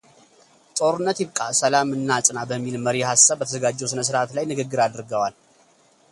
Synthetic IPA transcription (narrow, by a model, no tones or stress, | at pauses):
t̪ʼo̞ɾɨnːət̪jɪβkʼasəlamɨnːat͡sʼnabəmːilməɾijhasːaβːət̪ʰəzəɡad͡ʒːɛwsɨnəs̬ɨɾat̪lajnɨɡɨɡːɨɾad̪ɾɡəwal